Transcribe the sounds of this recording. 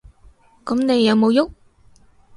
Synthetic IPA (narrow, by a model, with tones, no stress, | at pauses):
kʊ˨˦mne˨˧jːɐ˨˧wmo˨˧wjʊ˦˥k̚